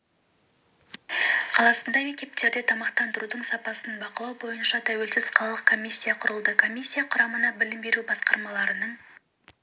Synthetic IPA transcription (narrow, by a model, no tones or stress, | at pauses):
qʰɑlˠɑsənd̪ɑme̞kʲt̪e̞p̚t̪e̞ɾd̪et̪ʰɑmɑqt̪ɑnd̪əɾud̪əɴsɑpɑsənbɑqəlˠɑwbo̞jənʃɑt̪ʰæwe̞lsɪz̥qʰɑlˠɑlˠəq̚kʰo̞mʲisʲːijaqʰʊɾəlˠd̪əkʰo̞mʲisʲːijaqʰʊɾɑmənɑbɪlɪmbe̞ɾubɑsqɑɾmɑlˠɑɾənəɴ